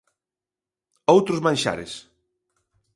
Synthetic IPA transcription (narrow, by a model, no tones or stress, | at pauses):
owt̪ɾʊzmãnʲʃa̰ɾɪ̰s